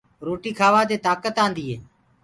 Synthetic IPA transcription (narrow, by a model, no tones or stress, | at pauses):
ɾoːʈiːkʰaːʋãːd̪eːt̪aːkət̪ãːnd̪iːɦeː